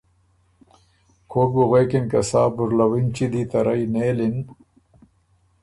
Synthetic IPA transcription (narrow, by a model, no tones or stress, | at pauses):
kʰoːbuɣekinkɐsaːbuɾlɐwint͡ɕid̪it̪ɐɾɐjneːlin